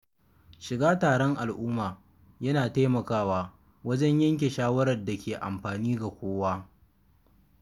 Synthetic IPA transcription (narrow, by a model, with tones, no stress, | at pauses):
ʃɪ˨ɡaː˦taː˨ɽɔ˦ŋʔa˨lʔʊː˦maː˨ | jɐ˦naː˨ta˦jmɐ˨kaː˦waː˨ | wɐ˦d͡ʒɐ˦ɲjɐ˦ŋk̬ʲe˨ʃaː˦wɐ˦ɾɐ˨rda˨kʲeː˨ʔa̰˨mɸaː˨niː˦ɡa˨kʷoː˦waː˦